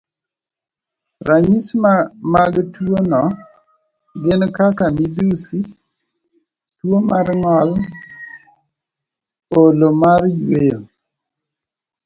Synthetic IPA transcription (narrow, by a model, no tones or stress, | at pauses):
ɾaɲismaɡtwonɔ | ɡɪnkakamid̪usi | twomaɾŋɔl | olomarjwejo̰